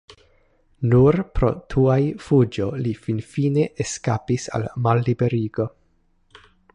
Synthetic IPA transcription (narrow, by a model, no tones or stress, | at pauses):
nuɾpɾo̞̰tʰuajfud͡ʒo̞lifinfine̞ʔeskapisa̰lmalːibe̞ɾiɡo̞